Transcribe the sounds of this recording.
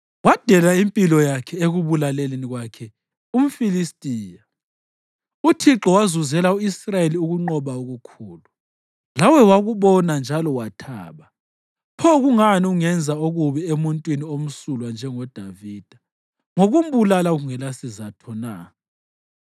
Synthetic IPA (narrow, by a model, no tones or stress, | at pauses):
wad̥ʱɛlaimpʼilɔjakʰɛeɣuβulaleleniɣwakʰɛ | um̩filistʼiːja | utʰiǁɔwazuzɛlauisrajeliuɣuŋ͡ǃɔβaoɣukʰuːlu | lawɛwaɣuβɔnand͡ʒʱalɔwatʰa̰ːβa | pʰɔɣuŋaniuŋɛnd͡zʱaoɣuβɛemuntʼwiniom̩sulwand͡ʒʱɛŋɔd̥ʱaviːd̥ʱa | ŋoɣum̩βulalaɣuŋɛlasizatʰɔna